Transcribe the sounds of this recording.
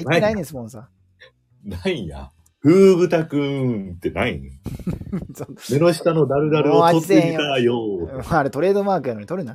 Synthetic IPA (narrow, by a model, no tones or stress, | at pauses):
nanaiesmõnsa | naija̰ | ɸɯ̟ːbɯ̟t̪akɯ̟̃t̪ːe̞nai | somenoɕi̥t̪anod̪aɾɯ̟d̪aɾɯoaozeẽĩajomaːɾet̪o̞ɾe̞ːd̪o̞maːkɯ̟janoɲ̟it̪oɾɯna